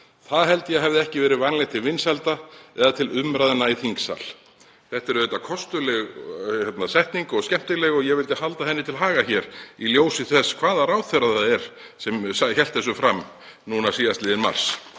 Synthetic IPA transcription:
θaðɦɛlt̪jɛɦɛvðɪɛhcɪvɛːɾɪvanlɛɣt̪ʰɪlvɪnsalt̪aɛðat̪ʰɪlʏmɾaðnːaiθiŋksa̰l | θɛht̪ɛɾʏðɛt̪ːakʰɔst̪ʏlɛɣhɛt̪nasɛht̪niŋkɔɣscɛm̥t̪ɪlɛɣɔɣjɛɣvɪlt̪ɪhalt̪ahɛnːɪt̪ʰɪlɦaːɣaçɛɾiljoːwsɪθɛskʰv̥aːðaraːwθœɾaðaaðɛɾ̥ | sɛmsaçɛlt̪θɛs̬ʏfɾam | nunasiːðast̪lɪːðɪnma̰r̥s

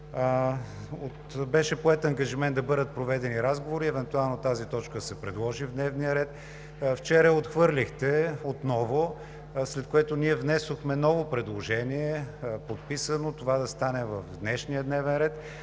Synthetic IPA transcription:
ot̪bɛʃɛpoɛt̪ɐŋɡɐʒimɛnd̪ɐbɤd̪ət̪̚pɾovɛd̪ɛniɾazɡovoɾiɛvɛnt̪ualˠnot̪azit̪ɔt͡ʃkəsɛpɾɛd̪lˠɔʒivd̪nɛvnijəɾɛt̪ | ft͡ʃɛɾəɛot̪xvɤɾlʲixt̪ɛot̪nɔvo | slɛt̪̚koɛt̪oniɛvnɛsoxmɛnɔvopɾɛd̪lˠoʒɛniɛpot̪pisənot̪ovad̪ɐst̪anɛvɐvd̪nɛʃnijəd̪nɛvɛnɾɛt̪

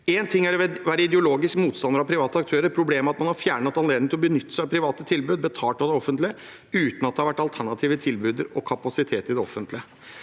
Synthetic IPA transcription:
eːnt̪ʰɪŋːæɾʋɛʋæːɾəɪd̪ɛʊloːɡɪskəmuːt̪st̪ɑnd̪əɾɑʋpʰɾɪʋɑːt̪əɑkt̪ʰøːɾəɾpʰɾʊbleːmːəɾɑt̪mɑnhɑɾfjæːɳɑt̪ɑnleːd̪nɪŋt̪ɪlɔbənʏt̪ːə̥sæʋpʰɾɪʋɑːt̪ət̪ʰɪlbʉːd̪̚bət̪ʰɑːʈɑʋd̪ɛɔfːənt̪lɪə | ʉːt̪nɑt̪̚ɛhɑɾʋæʈːɑlt̪ʰæɳɑt̪ʰiːʋət̪ʰɪlbʉːd̪əɾɔkʰɑpɑsɪt̪ʰeːt̪ɪd̪ɛɔ̰fːənt̪lɪə

